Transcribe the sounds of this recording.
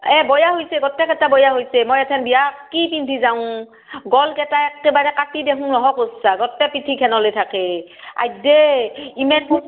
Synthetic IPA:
ɛbɔjaɦojsɛɡɔtːɛkɛtabɔjaɦojsɛmojɛtʰɛnbijakipintʰizawʊ̃ | ɡɔlkɛtaɛkɛbaɹɛkatideɦũnɔɦɔkosːaɡɔtːɛpitʰikʰɛnɔlejtʰakea̰jdɛimɛnkʰu

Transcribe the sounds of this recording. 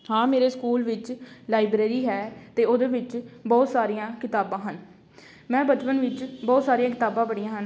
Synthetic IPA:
hãːmeːɾeːskuːlʋɪt͡ʃlaːɪbɾeːɾiːɦɛːt̪eːoːd̪eːʋɪt͡ʃbɔːt̪saːɾijãːkɪt̪aːbãːɦən | mɛ̃ːbət͡ʃpənʋɪt͡ʃbɔːt̪saːɾijãːkɪt̪aːbãːbəɽijãːɦən

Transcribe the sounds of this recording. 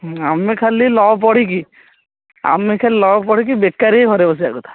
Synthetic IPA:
amːekʰalːilɔpɔɽ̤ik̬i | a̰mːekʰalilɔp̬ɔɽ̤ik̬ibekːaɾekʰɔɾebɔs̬ia̰ɡut̪ʰḁ

